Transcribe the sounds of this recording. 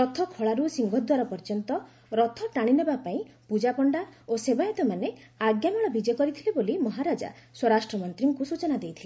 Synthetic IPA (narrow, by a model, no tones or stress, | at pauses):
ɾɔt̪ʰɔkʰoɭaɾusiŋɡʱɔd̪waɾapɔɾd͡ʒɔnt̪ɔ | ɾɔt̪ʰɔʈaɽ̃inebapaĩpud͡ʒapɔɳɖaosebait̪ɔmaneaɡjamɔɭ̃ɔbid͡ʒɔkɔɾit̪ʰilebolimɔɦaɾad͡ʒa̰swɔɾasʈɾɔmɔnt̪ɾiŋkusut͡ʃɔnad̪ejt̪ʰile